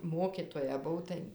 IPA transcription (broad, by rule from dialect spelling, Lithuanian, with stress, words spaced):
ˈmoːkʲɪtoːjɛ ˈbʊw tɐɪ